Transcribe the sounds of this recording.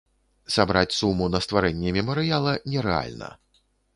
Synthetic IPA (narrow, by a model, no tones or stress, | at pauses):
sabɾat͡sʲsumːunɐst̪vaɾɛnʲːɛmʲɛmɐɾɨjalˠɐnʲɛɾɛa̰lʲnɐ̰